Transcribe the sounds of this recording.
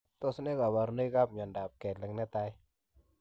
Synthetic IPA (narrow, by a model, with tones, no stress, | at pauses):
t̪ɔ˦snɛ˦ka˨ba˨ɾnə˦ka˦p̚ɲɔ˨nda˨p̚kɛ˨tlɛ˨ŋnɛ˦t̪a˦j